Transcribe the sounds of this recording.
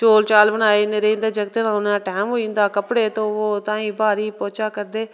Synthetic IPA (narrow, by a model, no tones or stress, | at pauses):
t͡ʃoːlt͡ʃaːlbənaːeːneɾeːnd̪əɾd͡ʒəɡt̪eːt̪ãːʊnãːʈɛːmɦoːind̪aːkəpɽeːt̪õːoːt̪ãːĩːbaːɾiːpɔːt͡ʃaːkəɾd̪eː